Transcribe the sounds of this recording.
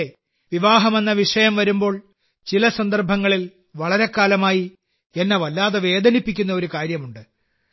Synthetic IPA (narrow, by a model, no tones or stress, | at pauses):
e | ʋiʋaːɦɐme̞nːɐʋiʂɐjɐmʋɐɾumbo̞ːɭ | t͡ɕilɐsɐnd̪ɐrbʱɐŋːɐɭil | ʋɐɭɐɾe̞kːaːlɐmaːji | enːɐʋɐlːaːðɐʋe̞ːd̪ʱɐnipːikʲːunːɐo̞ɾukaːɾjɐmuɳɖɨ